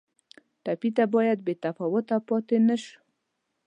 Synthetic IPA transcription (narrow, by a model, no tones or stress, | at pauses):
t̪apit̪abɑjad̪̚bet̪afɔwot̪apɑt̪enəʃ